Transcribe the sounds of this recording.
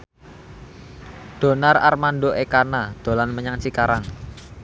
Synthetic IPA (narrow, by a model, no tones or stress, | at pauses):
d̪̥o̤nara̰rmanɖoʔekanad̪̥o̤lanməɲaŋt͡ʃikaɾaŋ